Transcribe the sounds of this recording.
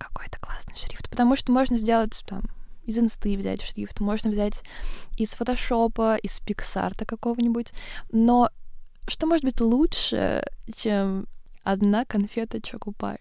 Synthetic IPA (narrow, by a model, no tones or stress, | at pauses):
kɐ̥ko̞jɛt̪ə̥klˠasnɨ̥jʂɾʲift̪pə̥t̪ɐmuʂt̪omoʐnəzʲdʲe̞lˠətʲt̪a̰mɪzɨnst̪ɨvzʲæ̰tʲʂɾʲḭft̪mo̞ʐnəvzʲætʲɪsfət̪ɐʂo̞pəʔɪspʲɪksa̰rt̪əkɐko̞vənʲɪbʊtʲnoʂt̪omoʐɨt̪̚bɨtʲlˠuʂɨ̰t͡ɕemɐd̪nakɐnfʲet̪ət͡ɕokʊpa̰j